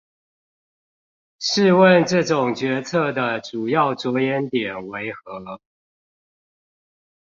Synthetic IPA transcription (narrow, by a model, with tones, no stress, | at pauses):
ʂɻ̩˥˧wə˥˨nʈ͡ʂɤ˥˨ʈ͡ʂʊ˨˩ŋt͡ɕɥɛ˧˥t͡sʰɤ˥˩d̪ə˨ʈ͡ʂu˨˩jɑ˥˩ʊt͡swɔ˧˥jɛ˧˦nt̪jɛ˨˩nwe˧˦ɪxɤ˧˦lə˦